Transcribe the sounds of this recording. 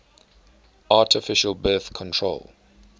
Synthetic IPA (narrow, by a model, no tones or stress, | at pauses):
ʔaˑtɪfɪʃəlbɜːˑθkʰɔ̃ntʰɹ̥o̰lˠ